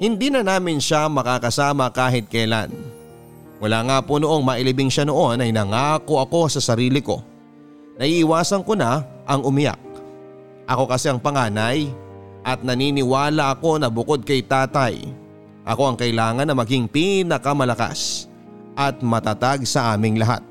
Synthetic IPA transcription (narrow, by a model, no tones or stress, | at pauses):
hɪnd̪iːnɐnaːmɪnʃamɐkakɐsaːmɐkaːɦɪt̪̚kɐjla̰n | mʊlaːŋaːpono̞ʔo̞ŋmɐʔɪlɪbɪŋʃɐno̞ʔo̞nɐjnɐŋaːko̞ʔɐko̞sɐsɐɾiːlɪko̞̰ | nɐʔiʔɪwaːsɐnkonaʔɐŋʔʊmɪja̰k̚ | ʔɐko̞kɐsɛɐŋpɐŋaːnɐj | ʔɐt̪̚nɐniːnɪwaːlɐʔɐko̞nɐbʊko̞d̪̚kɐjt̪aːt̪ɐj | ʔɐ̰ko̞ɐŋkɐʔɪlaːŋɐnːɐmɐɡiŋpinɐkɐmɐlɐka̰s | ʔɐt̪̚mɐt̪at̪aɡ̚sɐʔaːmɪŋlɐɦa̰t̪̚